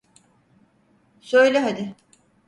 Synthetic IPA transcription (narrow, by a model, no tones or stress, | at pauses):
søjlʲɛɦad̪ɪ